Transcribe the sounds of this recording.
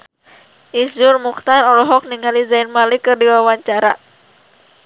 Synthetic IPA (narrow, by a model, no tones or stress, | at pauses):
ʔisd͡ʒʊrmukt̪anɔlɔɦɔk̚niŋalizainmalikɨrdiwawaɲt͡ʃaɾa̰